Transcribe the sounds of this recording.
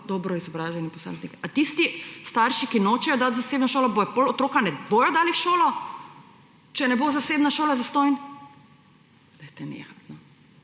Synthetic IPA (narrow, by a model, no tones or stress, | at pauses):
d̪ɔːbɾɔizɔbɾaːʒɛnipɔsa̰ːmɛznikɛat̪ist̪ist̪aɾʃikinot͡ʃɛjɔd̪at̪zaseːbnɔʃoːlɔbobolɔt̪ɾoːkanɛboːjɔd̪aːlixʃoːlɔ | t͡ʃɛnɛbozaseːbnaʃoːlazast̪ɔːjn | d̪ajt̪ɛnḛːxat̪nɔ